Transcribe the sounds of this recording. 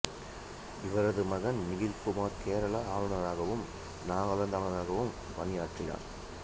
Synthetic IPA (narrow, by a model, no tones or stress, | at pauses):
ɪʋɐɾɐðɯmɐɣɐnmɪɣɪlpɯmaːɾkeːɾɐɭɐaːʋɐnɐɾaːɣɐʋɯm | naːɣɐlɐnd̪aːɳɐnaːɣɐʋɯm | ʋɐnɪjaːʈrɪja̰ːn